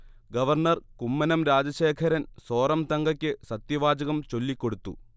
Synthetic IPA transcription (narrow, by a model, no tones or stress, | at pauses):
ɡɐʋɐrɳɐrkumːɐnɐmɾaːd͡ʑɐɕeːkʰɐɾɐnso̞ːrɐmt̪ɐŋɡɐkʲːɨsɐt̪jɐʋaːd͡ʑɐɣɐmt͡ɕo̞lːikːo̞ɽut̪ːṵ